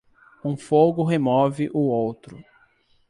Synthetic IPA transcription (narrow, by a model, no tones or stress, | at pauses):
ũfoɡʊɦemɔvɪʔʊowt̪ɾʊ